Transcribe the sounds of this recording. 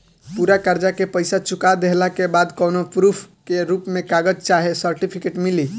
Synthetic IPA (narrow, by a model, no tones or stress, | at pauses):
puɾakaɾd͡ʒakepəjsat͡ʃukad̪eɦlakebad̪kɔwnopɾupʰ | keɾupmekaɡəd͡ʒt͡ʃaɦesəɾʈipʰikeʈmili